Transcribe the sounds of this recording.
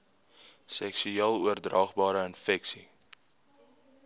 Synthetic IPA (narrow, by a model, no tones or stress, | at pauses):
sɛksyɛlˠuərdrɑːχbɑːɾəənfɛksi